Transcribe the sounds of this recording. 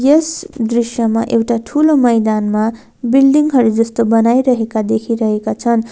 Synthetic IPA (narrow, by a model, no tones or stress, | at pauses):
jesd̪risjʌma̰ʔewʈaʈʰulomʌjd̪anma | bilɖiŋɦʌɾud͡zʌst̪obʌnajɾʌɦekad̪ekʰiɾʌɦekat͡sʰʌn